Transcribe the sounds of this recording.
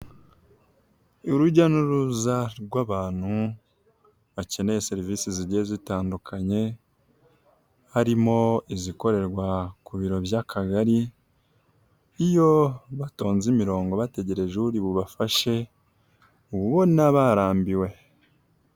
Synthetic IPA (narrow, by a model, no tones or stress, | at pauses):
uɾuɟanuɾuzaɾɡwaːβaːn̥hu | βace̞ne̞jese̞ɾivisiziɟezitaːndukʰaɲe̞ | haɾimo̞iziko̞ɾe̞ɾɡwakuβiɾo̞βjakʰaɡaɾi | jo̞βato̞ːnzimiɾo̞ːŋɡo̞βate̞ɟe̞ɾe̞ʒeβuɾiβuβafaʃe̞ | uβuβo̞ninaβaɾaːmbiwe̞